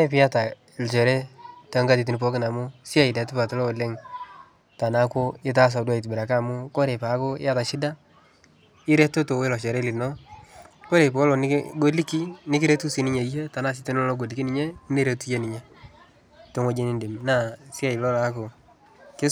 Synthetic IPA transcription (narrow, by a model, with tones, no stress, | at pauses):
e˦p̬ɪ˦ja˦ta˨ | ɪ˨lt͡ʃɛ˨ɾɛ˦tɛ˨˦ŋɡa˦t̬i˨t̬ɪ˨nɪ˨pɔ˦kɪ˨na˨mʊ˦sɪ˦a˦˨i˨dɛ˨tɪ˦pa˨tɔ˦lɔ˦˨le˦ŋ | ta˨na˦ko˦ɪ˦t̬a˦s̬a˨dwa˨i˨t̬bɪ˨ɾa˨ka˦˨mʊ˦ko˦ɾe˨pa˨˦ko˦ɪ̰˦a˦ta˨ʃɪ˦da˦ | ɪ˦ɾe˦to˦to˨we˦lɔ˨t͡ʃɛ˨ɾɛ˦lɪ˨nɔ˦ | ko˦ɾe˨pɔ˦lɔ˨nɪ˦ɡo˦li˦ki˦nɪ˦kɪ˦ɾe˦tu˦si˨˦nɪ˦ɲe˨i˦je˦ta˨na˦s̬ɪ˦te˦n˦lɔ˦lɔ˦ɡo˨li˨ki˦nɪ˦ɲe˦ne˦ɾe˨tu˦je˦nɪ˨ɲe˦ | to˨˦ŋo˦d͡ʒe˦nɪ˦ndɪ˨mna˦˨sɪ˦a˦˨ɪ˨lɔ˦la˨˦ko˨ | kɪ˦